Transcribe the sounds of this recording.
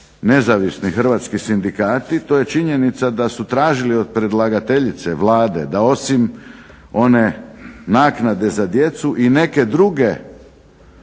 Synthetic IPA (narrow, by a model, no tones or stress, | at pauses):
ne̞zaʋisnixr̩ʋat̪skisind̪ikaːt̪it̪o̞je̞t͡ʃiɲe̞nit̪sad̪asut̪ɾaːʒilio̞d̪̚pɾe̞d̪lˠaɡat̪e̞ʎit̪seʋlˠaːd̪e̞̰d̪ao̞sim | o̞ne̞naːknad̪e̞zad̪je̞t̪suʔine̞ke̞d̪ɾuɡe̞